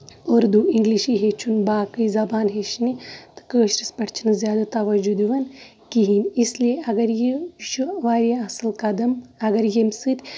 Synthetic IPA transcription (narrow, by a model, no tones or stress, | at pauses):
oːɾd̪uĩŋɡliʃiɦeːt͡ʃʰunbaːkɨizɐbaːnɦeʃnit̪kəːʃɾispɐʈʰt͡ʃʰinzjaːd̪at̪ɐʋɐd͡ʒud̪iʋɐn | kiɦinislieɐɡɐɾjeʃuʋaːɾijaɐsɐlkɐd̪ɐmɐɡɐɾjemsɨt̪ʰʲ